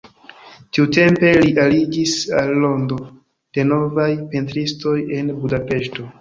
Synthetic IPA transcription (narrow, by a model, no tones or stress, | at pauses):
tiute̞mpe̞liʔalid͡ʒisalːo̞ndo̞ | d̥e̞no̞vajpentɾisto̞je̞nbudape̞ʃto̞